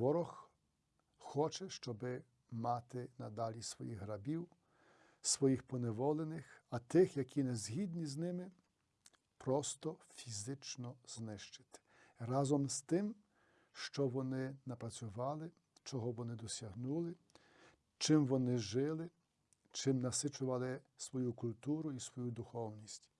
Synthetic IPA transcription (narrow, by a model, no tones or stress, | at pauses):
ʋɔɾɔx | xɔt͡ʃɛʃt͡ʃɔbɪ | mɑt̪ɪnɐd̪ɑlʲisʋɔ̰jiɣɦɾɐbʲiw | sʋɔjixpɔneʋɔlˠenɪxɐt̪ɪxjɐkʲʰinɛzʲɦʲid̪ʲnʲiznɪmɪ | pɾɔst̪ɔfʲizɪt͡ʃnɔz̥nɪʃt͡ʃɪ̥t̪ɪ̥rɑzɔmst̪ɪm | ʃt͡ʃɔʋɔnɪnɐpɾɐt͡sʲʊʋɑlˠɪ | t͡ʃɔɦɔʋɔnɪd̪ɔsʲɐɦnulˠɪ | t͡ʃɪmʋɔnɪʒɪlˠɪ | t͡ʃɪmnɐsɪt͡ʃʊʋɐlˠɪsʋɔjukʊlʲt̪uɾʊisʋɔjud̪ʊxɔwnʲisʲtʲ